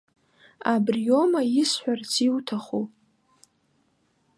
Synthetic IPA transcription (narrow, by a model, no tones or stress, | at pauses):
abrjo̞majɪsħʷᶣart͡sʰiwtʰaχu